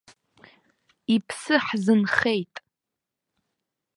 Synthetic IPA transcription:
ipʰsɨħzɨnχe̞jtʼ

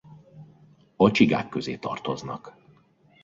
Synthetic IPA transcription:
ɒt͡ʃiɡa̰ːkːø̞zeːt̪ɒ̰rt̪o̞znɒk

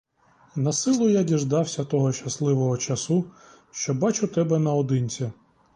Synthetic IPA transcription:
nɐsɪlˠʊjadʲiʒd̪ɑwsʲɐt̪ɔɦɔʃt͡ʃɐslˠɪʋɔɦɔt͡ʃɐsu | ʃt͡ʃɔbɑt͡ʃʊt̪ɛbɛnɐɔd̪ɪnʲt͡sʲɐ

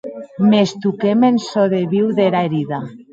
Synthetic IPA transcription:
mest̪ukemensoðeβiwðeɾaeɾiða

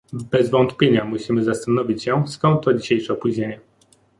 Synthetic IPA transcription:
bɛzvɔnt̪pʲjeɲamuɕimɘzast̪anɔvʲit͡ɕɕɛskɔ̃nt̪ːɔd͡ʑiɕejʂɛɔpuʑɲeɲɛ

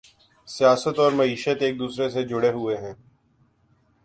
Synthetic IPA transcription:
sijaːsət̪ɔːɾmɐiːʃət̪eːk̚d̪uːsɾesed͡ʒʊɽeɦʊeɦɛ̃ː

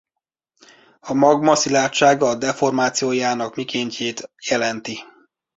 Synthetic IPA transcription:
ɒmɒɡmɒsilaːtt͡ʃaːɡɒd̪ɛfo̞rmaːt̪sijoːjaːnɒkmikeːɲceːt̪jɛlɛnt̪i

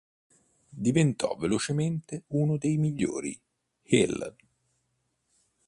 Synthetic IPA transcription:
d̪ivent̪ʰɔ̰velot͡ʃement̪eunod̪ejmiʎːo̰ːɾḭ | hil

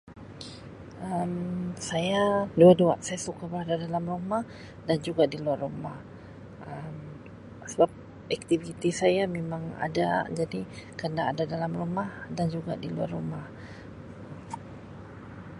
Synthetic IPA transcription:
əmsajaduaduaʔsajasukabəɾadadalamrumah | dand͡ʒuɡadiluarumah | əm | səbap̚ | ɛk̚t̪ivit̪isajamemaŋa̰da̰d͡ʒadikənaːdadalamrumahdand͡ʒuɡa̰dilua̰rːumah

